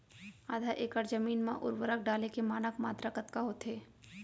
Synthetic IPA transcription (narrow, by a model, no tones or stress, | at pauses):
aːd̪ʱaʔeːkəɾd͡ʒəmiːnmã̰ʔʊ̰ɾʋəɾək̚ʰɖaːlekemaːnəkmaːt̪ɾakɐt̪kaɦot̪ɦeː